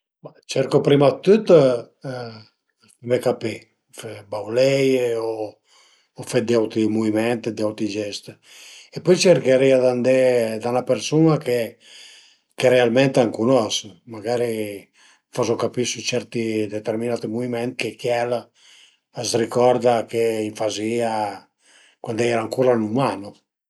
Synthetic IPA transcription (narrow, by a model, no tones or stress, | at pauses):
bat͡ʃɛɾkopɾimat̪ːut̪ː | fɛmekapi | fɛbawlɛjoː | fɛd̪iawt̪ɾimuimɛnt̪d̪iawt̪id͡ʒɛst̪ | epɔjt͡ʃɛɾkeɾiad̪and̪ɛd̪anapeɾsunake | keɾealmɛnt̪aŋkunɔsmaɡaːɾi | fɔzokapisut͡ʃɛɾt̪id̪ɛt̪ɛɾminat̪imuvimɛnt̪kekjɛl | asrikɔɾd̪akeiɱfazia | kwand̪ɛjɛɾaŋkuɾanumano